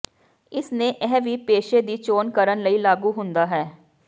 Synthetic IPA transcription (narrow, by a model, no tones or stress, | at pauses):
ɪsnẽːʔɛːʋiːpeːʃeːd̪iːt͡ʃoːnkəɾənləiːlaːɡuːɦʊ̃nd̪aːɦɛː